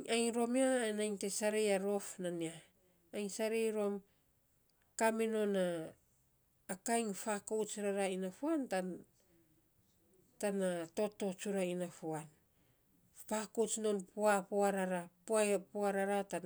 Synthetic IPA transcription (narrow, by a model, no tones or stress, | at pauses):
ajŋɾo̞miaanajntesaɾejaɾo̞fnaniaː | jnsaɾejɾo̞m | kamino̞na | kajŋfakowt͡ʃɾaɾainafuanta | tanato̞to̞t͡ʃuɾainafuan | fakowt͡ʃno̞npuapoaɾaɾappuaɾaɾatan